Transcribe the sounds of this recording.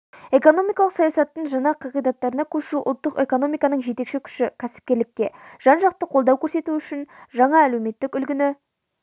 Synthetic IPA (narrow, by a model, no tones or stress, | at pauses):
e̞ko̞no̞mijkɑlˠəqsɑjɑsɑt̪ːəɴʒɑɴɑqʰɑʁijd̪ɑt̪ːɑɾənɑkʲʰɵʃuʔʊlˠt̪ːəqe̞ko̞no̞mijkɑnəɴʒet̪e̞kʃɪkʲʰʏ̥ʃɪkʲʰæsɪ̥p̚kʲe̞ɾlɪk̚ʲːe̞ʒ̥ɑnʒɑq̚t̪əqʰo̞lˠd̪ɑwkʲʰɵɾse̞t̪uʏʃɪnʒɑɴɑælewme̞t̪ːɪkʲʏlɡʲɪnɪ